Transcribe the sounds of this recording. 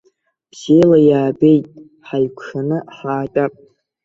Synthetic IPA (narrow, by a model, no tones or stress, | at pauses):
bz̥elajaːbe̞jtʼ | ħajkʷʰʂanɨħaːtʼapʼ